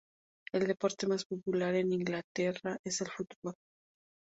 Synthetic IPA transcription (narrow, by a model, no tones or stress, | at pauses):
e̞ld̪e̞po̞ɾt̪e̞maspo̞pulaɾe̞niŋɡlat̪e̞raʔe̞se̞lfut̪bo̞l